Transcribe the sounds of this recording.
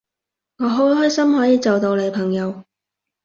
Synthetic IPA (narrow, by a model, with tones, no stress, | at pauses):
ŋɔː˨˧ɦo˨˥wɦɔː˥jsɐ˥mɦɔː˨˥jiː˨˧t͡sɐ˨wt̪o˧wle˨˧jpʰɐ˨˩ŋjɐ˨˧w